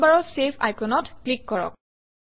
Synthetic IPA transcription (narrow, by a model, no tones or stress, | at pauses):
baɹɔsepʰa̰jkɔnɔtklikːɔɹɔ̰k̚